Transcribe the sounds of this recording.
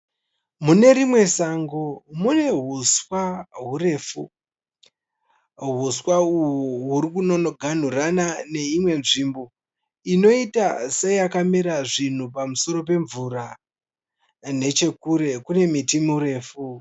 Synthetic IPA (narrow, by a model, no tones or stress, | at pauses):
mune̞ɾimwe̞saŋɡomune̞ɦuswaɦure̞ːfu | ɦuswauwuɦuɾikuno̞noɡʱan̤uranane̞imwe̞nʐimbo̞ | ino̞itasejakamiɾaʐin̤upamuso̞ɾo̞pe̞ɱvuɾa | ne̞t͡ʃe̞kuɾe̞kune̞mitimiure̞ːfu